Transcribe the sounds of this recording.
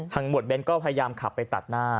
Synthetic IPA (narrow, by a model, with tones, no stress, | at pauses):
t̪ʰaː˧ŋmu˨˩t̪̚be˧nkɔː˥˩pʰa˧ja˧jaː˧mkʰa˨˩pːa˧jt̪a̰˨˩t̪̚naː˥˩